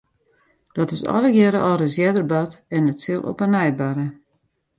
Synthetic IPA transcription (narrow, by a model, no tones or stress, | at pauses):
d̥ɔtɪsɔ̰lˠəɡjɛɾəʔɔɾəsjɛdərbatɛnətsɪlˠʔo̰pənɛjbaɾə